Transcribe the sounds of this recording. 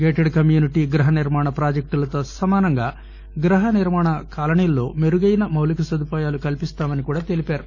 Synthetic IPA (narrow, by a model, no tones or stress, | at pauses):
ɡeːʈeɖkɐmjuːniʈiːɡɾɐɦɐniɾmaːɳɐpɾaːd͡ʒɐk̚ʈulɐt̪o̞ːsɐmaːnɐŋɡaː | ɡɾɐɦɐniɾmaːɳɐkaːlɐɳijlːo̞ːmeɾuɡɐjinɐmɐwlɐkusɐd̪upaːjaːlukɐlipist̪aːmɐnikuːɽaːt̪e̞lipaːɾu